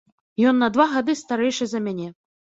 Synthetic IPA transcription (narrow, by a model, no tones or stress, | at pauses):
jɔnːɐd̪vaɣad̪ɨst̪aɾɛjʂɨzɐmʲanʲɛ